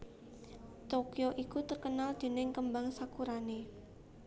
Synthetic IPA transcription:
t̪okioʔikut̪ərkənald̪̥e̤nɪŋkəmbaŋsakuɾane

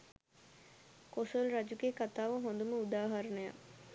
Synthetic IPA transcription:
kosolrad͡ʒuɡekat̪aːʋəɦond̪uməud̪aːɦaɾənəja̰

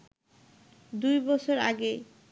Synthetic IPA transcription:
d̪ujbɔt͡ɕʰoɾa̰ɡe

